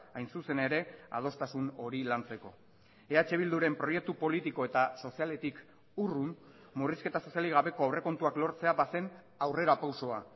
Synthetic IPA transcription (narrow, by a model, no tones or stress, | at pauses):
ajnsuse̞ne̞ɾe̞a̰ð̞o̞st̪asuno̞ɾilant͡se̞ko̞̰ | e̞at͡ʃe̞β̞ild̪uɾe̞mpɾo̞je̞k̚t̪upo̞lit̪iko̞e̞t̪aso̞siale̞t̪ik | urun | muriske̞t̪aso̞sialiɣ̞aβe̞ko̞awre̞ko̞nt̪uaklo̞ɾt͡se̞aβase̞n | awre̞ɾapawso̞a